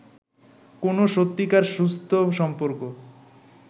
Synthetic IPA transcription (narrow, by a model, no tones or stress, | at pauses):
konoʃot̪ːikaɾʃust̪ʰoʃɔmpoɾko